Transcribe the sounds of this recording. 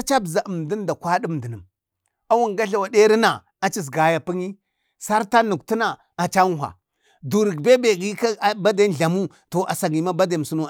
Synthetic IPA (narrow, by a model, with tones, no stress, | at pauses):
t͡ʃa˦bza˨ʔə˨m˨di˦n˦da˨kʷa˦di˦m˨də˨nə˨m | a˦wu˦ŋɡa˦ɬa˨wa˨de˦ɾi˦na˨ | a˨t͡ʃi˦s̬ɡa˨ja˨pi˦ŋi˦ | sa˦ɾta˦nu˨kti˦na˨ | a˨t͡ʃa˦ŋ˦ɦa̰˨ | du˨ɾi˨ɡbe˦be˨ɡi˦ka˦ba˦da˦nɮa˨mu˦ | to˨ʔa˨sa˨ɡi˨ma˦ba˦da˨m˨su˦nu˦